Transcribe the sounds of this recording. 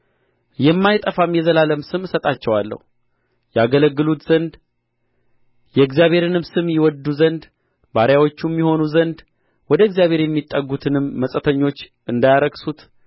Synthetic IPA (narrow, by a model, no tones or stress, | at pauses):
jɛmːajt̪ʼəfamjɛzəlaləmsɨmsət̪ʼat͡ʃːɛwalːə̰hu | jɛaɡələɡːɨlut̪z̥ənd̪ | jɛɨɡzjaβhe̞ɾɨnɨmsɨmjɪwɔd̪uzənd̪ | baɾjawo̞t͡ʃːumːiho̞nuzənd̪ | wɔd̪əɨɡzijaβhe̞ɾjɛmːit̪ʼːəɡut̪ʰɨnɨmːəsʼət̪ʰəɲːo̞t͡ʃː | ɨnd̪ajaɾəɡsut̪